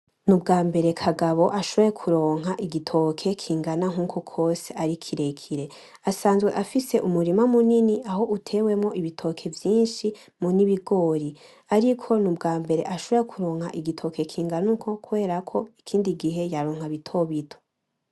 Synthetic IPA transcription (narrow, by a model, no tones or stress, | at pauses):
nubɡaːmbe̞ɾe̞kʰaɡaβo̞ʔaʃoβo̞jekʰuɾo̞ːŋ̥ɦaʔiɡitʰo̞kʰe̞kʰiːŋɡanaŋ̥uːkʰokʰo̞ːseaɾikʰiɾe̞kʰiɾe̞ | asaːnzɡwe̞̰ʔafise̞ʔumuɾimamuniniaɦo̞ʔutʰe̞we̞mŋo̞ʔiβitʰo̞kʰe̞vjiːnʃi | muniβiɡo̞ːɾi | aɾikʰo̞nubɡaːmbe̞ɾe̞̰ʔaʃo̞βojekʰuɾo̞ːŋha̰ʔiɡitʰo̞kʰe̞kʰiːŋɡanukʰo̞kuβe̞ːɾakʰo̞ikʰiːndiɡiɦe̞jaɾoːŋ̥haβitʰo̞βitʰo̥